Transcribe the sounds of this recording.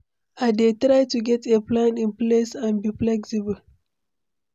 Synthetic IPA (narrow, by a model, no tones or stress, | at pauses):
aɪdetɹaɪtuɡɛtʰeplãnĩnplesãnbiplɛksibəl